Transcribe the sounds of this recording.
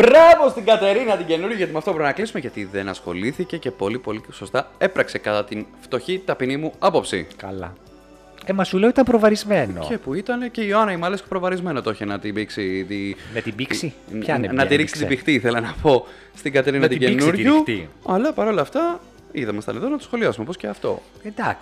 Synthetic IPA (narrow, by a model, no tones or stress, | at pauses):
bɾɐvo̞st̪iɡɐt̪e̞ɾinɐt̪iɟe̞nuɾʝuʝɐt̪imɐft̪o̞bɾimenɐklisumeʝɐt̪iðe̞nɐsxo̞̰liθice̞cepo̞lipo̞liso̞st̪ɐe̞pɾɐkse̞kɐt̪ɐt̪inft̪o̞çit̪ɐpinimuɐpo̞psḭkɐ̰lɐ̰ | emɐsuleoit̪ɐmpɾovɐɾizmeno̰epuit̪ɐne̞ce̞ioɐnɐimɐlespɾo̞vɐɾizme̞not̪oçenɐt̪ibiksit̪inɐt̪ibiksi | ɐnɐt̪iɾiksit̪bixt̪iiθe̞lɐnɐpo̞ | st̪iɡɐt̪eɾinɐt̪iɟenuɾʝut̪iɐlɐpɐɾo̞lɐft̪ɐ | iðɐmesit̪ɐ̰neðo̞nɐt̪osxo̞liɐsumepo̞sceɐft̪o̞̰ | ed̪ɐks